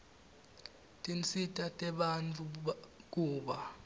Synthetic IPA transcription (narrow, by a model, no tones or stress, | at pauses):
tʼint͡sʰʼitʼatʼɛɓant͡fʰʼuk̬ʼuːɓa